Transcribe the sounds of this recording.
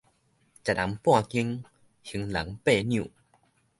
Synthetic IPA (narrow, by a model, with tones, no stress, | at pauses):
t͡ɕa˨˩ta˨˦mpw̃ã˥˧˨ki˧ŋ | hi˨˧˦ŋla̰˨˦ŋpe˥˧˨njṵ̃˧˨